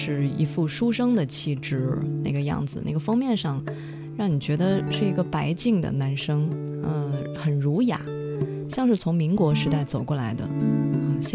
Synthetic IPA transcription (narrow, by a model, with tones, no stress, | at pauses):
ʂɻ̩˥˩ḭ˧˥fu˥˩ʂu˥ʂɤ˥ŋd̪ə˨t͡ɕʰi˥˧ʈ͡ʂɻ̩˥˩na̰˥˩ɡə˩jɑ̰˥˩ŋd͡zɹ̩˩na̰˥˩ɡə˩fɑ˥ŋmjɛ˥˧nʂɑ˥˧ŋ | ɻɑ˥˩ŋni˨˩t͡ɕɥɛ˧˥d̪ə˧ʂɻ̩˥˩i˧˥ɡə˧pa˧˥ɪt͡ɕi˥˩ŋd̪ə̰˩na˧˥nʂɤ˥ŋ | ə˧xə˨˩nɻu˧˥ja̰˨˩˦ | ɕjɑ˥˧ŋʂɻ̩˥˩t͡sʰʊ˧˥ŋmi˧˥ŋkwɔ˧˥ʂɻ̩˧˥t̪a˥˩ɪt͡so˨˩ʊkwɔ˥˩la˧˥ɪd̪ə̰˧ə˥˧ɕ